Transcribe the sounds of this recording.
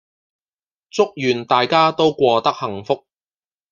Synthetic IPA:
t͡sʊ˥k̚jyː˨˩nt̪aː˨jkaː˥t̪o˥wkʷɔː˧t̪ɐ˥k̚hɐ˨˩ŋfʊ˥k̚

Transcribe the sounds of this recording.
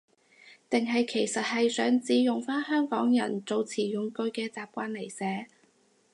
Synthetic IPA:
t̪ɪ˨ŋɦɐ˨jkʰe˨˩jsɐ˨t̚hɐ˨jsœː˨˥ŋt͡siː˧jʊ˨ŋfaː˥nhœː˥ŋkɔː˨˥ŋjɐ̰˨˩nt͡so˨˧wt͡sʰiː˨˩jʊ˨ŋkɵ˧ɥkɛː˧t͡saː˨p̚kʷaː˧nle˨˩jsɛː˨˥

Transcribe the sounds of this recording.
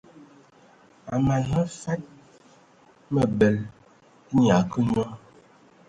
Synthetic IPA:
a˨ma˨na˦fa˦t̚ | mə˨bɛ˨l | ɲ˨a˨kə˦ɲ˦a˦

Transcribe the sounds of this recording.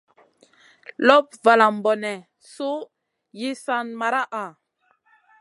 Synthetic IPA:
lɔ˦p̚va˨la˨m̩˨bɔ˨nɛ˨ | so˦ | ji˦sa˦nma˨ɾa˦ʔa˨

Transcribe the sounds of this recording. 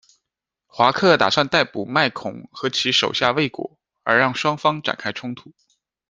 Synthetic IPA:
xwa˧˥kʰɤ˥˩t̪a̰˨˩swa˥˧nt̪a˥˩ɪpu˨˩ma˥˩ɪkʰʊ̰˨˩˦ŋxɤ˧˥t͡ɕʰi˧˥ʂo˨˩ʊɕja˥˧we˥˩ɪkwɔ̰˨˧˩ | ə̰˞˧˥ɻɑ˥˩ŋʂwɑ˥ŋfɑ˥ŋʈ͡ʂa̰˨˩nkʰa˥ɪʈ͡ʂʰʊ˥ŋt̪ʰu˨˩˦

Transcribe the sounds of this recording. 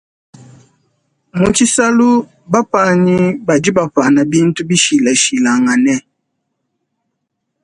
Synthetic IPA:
mu˨t͡ʃi˦sa˦lu˦ | ba˦pa˦ɲi˦ba˨di˦ba˨ɸa˨na˨bi˦n˦tu˦bi˦ʃi˨la˨ʃi˨la˨ŋa˨nɛ˦

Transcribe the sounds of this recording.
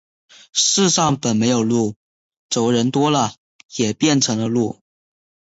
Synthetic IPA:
ʂɻ̩˥˧ʂɑ˥˩ŋpə˨˩nme˧˥ɪjo˨˩ʊlu˥˩ | t͡so˨˩ʊɻə˧˥nt̪wɔ˥lə˨ | jɛ˨˩pjɛ˥˩nʈ͡ʂʰɤ˧˥ŋlə˧lu˥˩

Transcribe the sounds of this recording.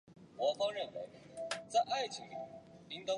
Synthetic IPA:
wɔ˨˥fo˥ɻə˥˩nwe˧˥ɪt͡sa˥˧ɪʔa˥˩ɪt͡ɕʰi˨˥ŋ˨li˧˥ŋt̪o˥

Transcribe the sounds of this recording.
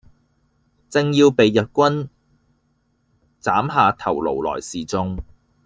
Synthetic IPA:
t͡sɪ˨˧ŋjiː˧wpe˨˧jːɐ˨t̚kʷɐ˥n | t͡saː˨˥mɦaː˨˧t̪ʰɐ˨˩wlo̰˨˩wlɔ̰ː˨˩jsiː˨t͡sʊ˧ŋ

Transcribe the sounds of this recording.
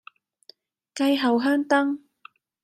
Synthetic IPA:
kɐ˧jɦɐ˨˩wɦœː˥ŋt̪ɐ˥ŋ

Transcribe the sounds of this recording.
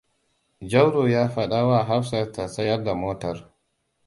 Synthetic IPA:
d͡ʒɐ˦wɾoː˨jaː˦ɸɐ˨ɗaː˦waː˦˨ɦa˦ɸsɐ˨rta˨sɐ˦jɐ˦rda˨moː˦tɐ˨r

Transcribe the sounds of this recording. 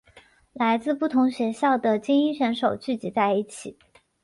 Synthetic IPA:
la˧˥ɪt͡sɹ̩˥˧pu˥˩t̪ʰʊ˧˥ŋɕɥɛ˧˥ɕjɑ˥˩ʊd̪ə˩t͡ɕi˥ŋi˥ɕə˧˥nʂo˨˩ʊt͡ɕy˥˩t͡ɕi˧˥t͡sa˥˧ɪi˥˩t͡ɕʰi˨˩˦

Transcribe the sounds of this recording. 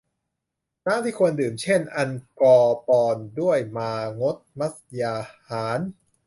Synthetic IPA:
naː˥˨t̪ʰiː˥˩kʰo˧əndɯː˨˩mt͡ɕʰe˥˩nʔa˧nkɔː˧pɔː˧ndu˥˩əjmaː˧ŋo˦˥t̪̚ma˦˥sjaː˧haː˩˦n

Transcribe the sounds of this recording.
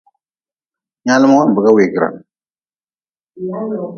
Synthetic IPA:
ɲa˦lɪ˦ma˦a˦m̩˨bə˨ka˦we˨ki˨ɾa̰˨

